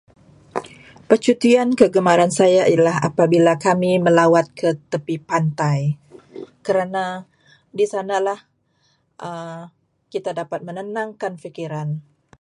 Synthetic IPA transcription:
pət͡ʃut̪iankəɡəmaɾansajaʔilaɦa̰pabilakamiməlawat̪̚kət̪əpipant̪aj | kəɾana | disanalah | ʔə | kit̪adapat̪̚mənənaŋkanfikiɾan

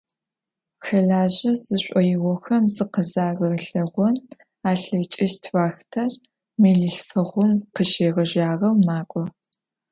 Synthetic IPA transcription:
xɐɮaːʑɐz̥ɨɕʷʼɔjɪwʷɔxɐmzɨqəzaːɣɐɣɬɐʁʷɔn | aːɬɐt͡ʃʼɪʃtʰvaːxtʰɐr | meɮɨɬfɐʁʷʊmqəʃeːʁɐʒaːʁɐwmaːkʷʼɔ

